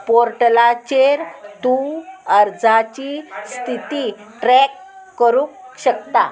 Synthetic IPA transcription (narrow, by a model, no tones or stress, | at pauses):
poɾʈlat͡ɕeɾt̪uəɾd͡zʱat͡ɕist̪ʰit̪i | ʈɾɛkː | əɾuːkɕəkt̪a̰